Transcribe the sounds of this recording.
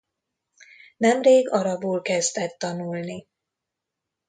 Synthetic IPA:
nɛmreːɡɒɾɒboːlkɛzt̪ɛt̪ːɒnulni

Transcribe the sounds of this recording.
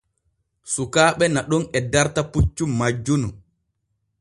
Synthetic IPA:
sukaːɓɛnaɗɔnɛdaɾtaput͡ʃːumad͡ʒːunu

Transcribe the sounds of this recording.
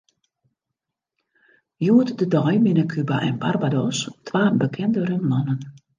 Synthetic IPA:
juətdədɔjmɪnəkʰybaʔɛ̰nbarbadɔstʰʋaːbəkʰɪndəɾəmɔnən

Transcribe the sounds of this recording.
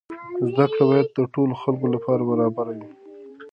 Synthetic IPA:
zd̪akɽabɑjad̪̚ːəʈoloxalkolapɑɾabaɾɑbaɾawi

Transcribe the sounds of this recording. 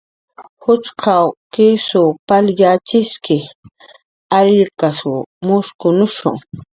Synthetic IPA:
hʊt͡ʃqʰawkɪsʊpaljat͡ʃɪskɪ | aɾɪɾkasʊmʊskʊnʊʃʊ̰ŋ

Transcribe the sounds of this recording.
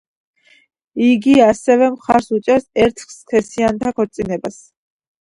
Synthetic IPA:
iɡiasɛvɛmχaɾsut͡ʃʼɛɾsɛɾt̪ʰχskʰɛsiant̪ʰakʰɔɾt̪sʼinɛbas

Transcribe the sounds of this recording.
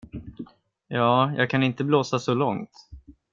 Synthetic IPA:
jɑːjʔɑ̰ːɡ̚kʰanɪnt̪əbloːsasɔlɔŋt̪

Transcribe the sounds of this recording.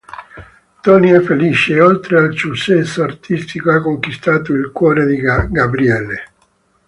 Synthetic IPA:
t̪ɔniɛfːeliːt͡ʃeolt̪ɾealsusɛsːoart̪ʰist̪ikoakːoŋkwist̪aːt̪oilkwɔːɾed̪iɡabɾiɛlːe

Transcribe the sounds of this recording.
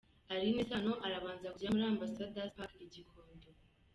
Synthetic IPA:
aɾinesano̞ʔaɾaβaːnzakuɟamuɾaːmbasadapakeɟikʰoːndo

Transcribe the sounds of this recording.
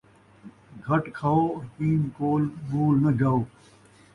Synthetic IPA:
ɡʱɐʈkʰaːoːɔɾpiːnkoːlbuːlnɐd͡ʒaːoː

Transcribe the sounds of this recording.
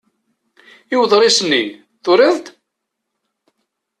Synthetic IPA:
iwðˤɾˤisənːḭ | θʊɾəðt̪

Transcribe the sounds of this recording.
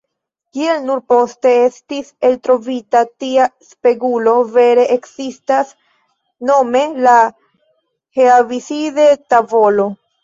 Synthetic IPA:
kie̞lnuɾpo̞ste̞e̞stise̞ltɾo̞vitatiaspe̞ɡulo̞ve̞ɾe̞ʔeksistas | no̞me̞la | heavisidetavo̞lo̞

